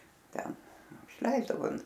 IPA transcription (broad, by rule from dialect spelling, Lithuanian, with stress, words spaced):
ˈtʲɛn ɪʃʲˈlʲɛɪzdɐʋoː